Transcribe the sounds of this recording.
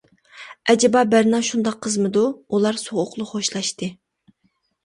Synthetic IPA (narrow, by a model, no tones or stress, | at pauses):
ʔɛd͡ʒɛbɑbæɾnɑʃund̪ɑqʰːəzmɨd̪uulˠɑɾsoʁʊqlˠʊχoʃlˠɑʃt̪ɨ